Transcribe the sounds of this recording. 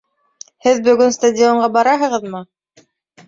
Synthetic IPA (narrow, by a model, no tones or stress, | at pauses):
hɘðbɵ̆ɡɵnst̪adʲɪoɴɢɑbɑɾɑɦɤ̆ʁɤðmɤ